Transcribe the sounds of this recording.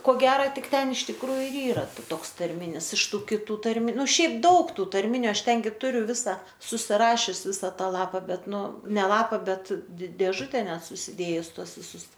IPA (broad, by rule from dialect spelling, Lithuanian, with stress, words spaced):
koː ˈɡʲæːrɐ ˈtʲɪk ˈtʲɛn ɪʃ tʲɪkˈruːjʊ ɪr ˈiːrɐ ˈtoːks tɐrʲˈmʲɪnʲɪs ɪʃ ˈtuː kʲɪˈtuː tɐrʲˈmʲɪ ˈnʊ ˈʃʲɛɪp ˈdɐʊk ˈtuː tɐrʲˈmʲɪnʲʊ ˈɐʃ ˈtʲɛn ɡʲɪ ˈtʊrʲʊ ˈʋʲɪsɐ sʊsʲɪˈrɑːʃʲʊs ˈʋʲɪsɐ ˈtɑː ˈlˠɑːpɐ ˈbʲɛt ˈnʊ ˈnʲɛ ˈlˠɑːpɐ ˈbʲɛt dʲɪ dʲeːˈʒʊtʲɛ ˈnʲɛt sʊsʲɪˈdʲeːjʊs ˈtuɔs ʋʲɪˈsʊs